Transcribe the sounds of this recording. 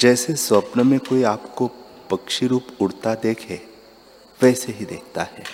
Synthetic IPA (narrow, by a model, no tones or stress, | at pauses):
d͡ʒɛːsesɐpnəmẽkoːiaːpkopɐkʃiɾuːpʊɽt̪ad̪eːkʰe | ʋɛːseɦid̪eːk̚ʰt̪ahɛː